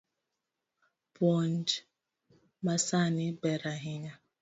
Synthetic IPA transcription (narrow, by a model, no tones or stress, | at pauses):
bɔnd͡ʒ | masanibɛɾaɦiɲa